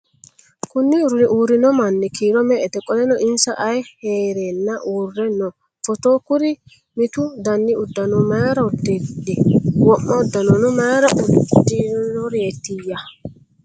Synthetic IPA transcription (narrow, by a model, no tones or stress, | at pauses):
kʊnːɪʊɾʊnɪʔuːɾːɪnɔmɐnːɛkiːɾɔmɛʔɛt̪ɛkʼɔlɛnɔʔɪnsɐʔɐjheːɾenːɐʔuːrːɛnɔ | fɔt̪oːkʊɾɪ | mɪt̪ʊd̪ɐnːɪʊd̪ːɐnɔmaːɾɐʊd̪ɛdɛwɔmːɐʊd̪ːɐnɔnʊmɐːɾɐʔʊd̪ɪnɔɾeːt̪ːɪjːɐ